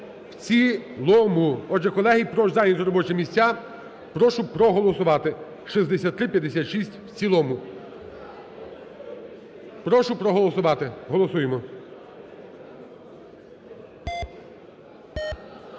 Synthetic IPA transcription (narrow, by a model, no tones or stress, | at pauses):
wt͡sʲilˠɔmuɔd͡ʒɛkɔlˠɛɦijpɾɔʒzɑjnʲizɾɔbɔt͡ʃɛmʲisʲa | pɾɔʃʊpɾɔɦɔlˠɔsʊʋɑt̪ɪ | ʃizd̪esʲat̪t̪ːɾɪpʲjɐd̪esʲat̪ʃisʲtʲw̥t͡sʲilˠɔmʊ | pɾɔʃʊpɾɔɦɔlˠɔsʊʋɑt̪ɪɦɔlˠɔsujemɔ